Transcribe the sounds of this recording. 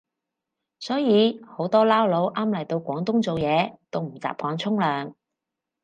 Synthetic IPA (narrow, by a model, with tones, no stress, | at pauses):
sɔː˨˥jiː˨˧ho˨˥wt̪ɔː˥laː˥wlo˨˥wʔaː˥mlɐ˨˩jt̪o˧wkʷɔː˨˥ŋt̪ʊ˥ŋt͡so˨wjɛː˨˧t̪o˥wm̩˨˩t͡sa̰ː˨p̚kɔː˨˧ŋt͡sʰʊ˥ŋlœː˨ŋ